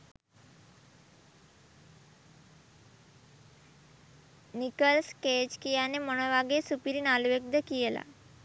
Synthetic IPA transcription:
nikəlsked͡ʑkijaneməɽ̃oʋaɡesupiɾiːnaluʋek̚d̪əkijela̰

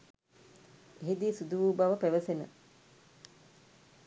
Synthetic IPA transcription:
eɦid̪iːsud̪uʋuːbaʋəpæʋəsenə̰

